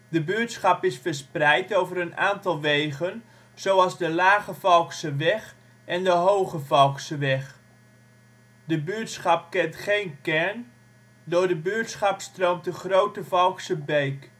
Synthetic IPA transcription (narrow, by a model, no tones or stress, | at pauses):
dəbyətsχɑpɪsfəɹsprɛjtowvərənaːntɑlˠʋejɣən | z̥owɑlˠzdəlaːɣəvɑlˠksəʋɛχ | ɛndəɦowχəvɑlˠksəʋɛχ | dəbyətsχɑp̚kɛntχejnkɛɹn | dʊːɹdəbyətsχɑpstrowmtəχrowtəvɔlˠksəbejk